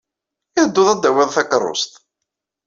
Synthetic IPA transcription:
ɪd̪ːʊðˤæd̪ːæwɪðˤθækərˤːo̰st̪

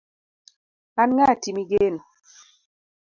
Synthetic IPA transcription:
anŋatimiɡen

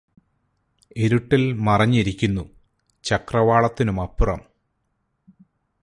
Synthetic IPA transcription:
e̞ɾuʈːilmɐrɐɲːiɾikʲːunːu | t͡ɕɐkrɐʋaːɭɐt̪ːinumɐpːurɐ̰m

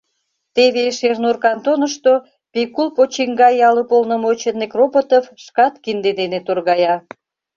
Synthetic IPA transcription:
t̪eβeʃernurkɑnt̪onə̆ʃt̪o | pekulpot͡ɕiŋɡɑjɑləpolnə̆mot͡ɕənːekrobot̪ofʃkɑt̪kind̪ed̪enet̪orɣɑjɑ

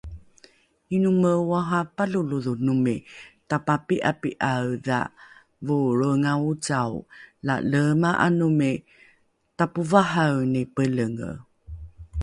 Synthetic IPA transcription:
inuməwaɦapaluluðunumitapapiʔapiʔawða̰ | vuɾəŋaut͡sawla̰ləmaʔa̰numi | tapuvaɦawnipələŋ̰

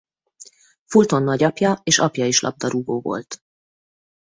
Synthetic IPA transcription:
fult̪onːɒɟɒpjɒeːʃɒpjɒiʃlʔɒ̰b̚d̪ɒɾuɡoːvo̞̰lt̪

